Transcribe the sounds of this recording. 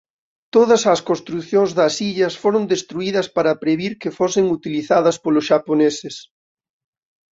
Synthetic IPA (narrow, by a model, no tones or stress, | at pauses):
t̪oð̞ɐsɐskõnst̪ɾuθjoŋzðɐsiʎɐsfoɾond̪est̪ɾuiðɐspaɾɐpɾeβiɾkefosɪŋut̪iliθaðɐspolʊsʃaponesɪs